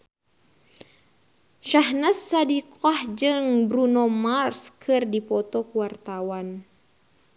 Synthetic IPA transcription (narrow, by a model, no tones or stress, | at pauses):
ʃahnəsːadikoahd͡ʒɨŋbɾunɔmarskʰɨrdipɔt̪ɔkuwart̪awan